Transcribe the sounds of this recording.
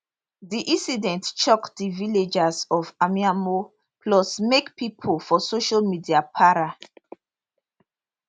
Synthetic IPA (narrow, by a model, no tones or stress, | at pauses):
diʔĩsidɛ̃ntt͡ʃɔkdiviled͡ʒasɔvamiamo | pʰlɔsmekpipʰolfɔsoʃalmidiapʰaɹa